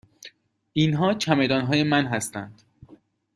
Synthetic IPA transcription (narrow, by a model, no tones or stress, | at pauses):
ʔinɦɒːt͡ʃʰæme̞d̪ɒːnɦɒːje̞mænɦæst̪ænd̪̥